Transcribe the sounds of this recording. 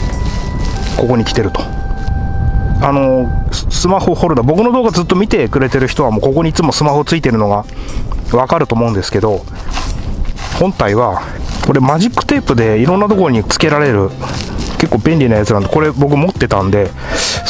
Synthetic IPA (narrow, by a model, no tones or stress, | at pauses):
ko̞ko̞ɲ̟ikʲi̥t̪e̞ɾɯ̟t̪o̥ | ano̞sɨmaho̞ho̞ɾɯ̟d̪obo̞kɯ̟no̞d̪oːɡazɨt̪ːomʲit̪e̞kɯ̟ɾe̞t̪e̞ɾɯ̟çi̥t̪o̞βamoːko̞ko̞ɲ̟iːt͡sɨmo̞sɨmaho̞t͡sɨit̪e̞ɾɯ̟no̞ɡa | βakaɾɯ̟t̪oːmo̞ɯ̟̃nd̪e̞sɨ̥ke̞d̪o̞ | hõ̞nt̪aiβa | ko̞ɾe̞maʑikːɯ̥t̪e̞ːpɯ̟d̪e̞iɾõ̞nːat̪o̞ko̞ɾo̞ɲ̟it͡sɨ̥ke̞ɾaɾe̞ɾɯ̟ke̞kːo̞ːbẽ̞nʲɾʲinajat͡sɨnãnd̪eko̞ɾe̞bo̞k̬ɯ̟mo̞t̪ːe̞t̪ãnd̪e̞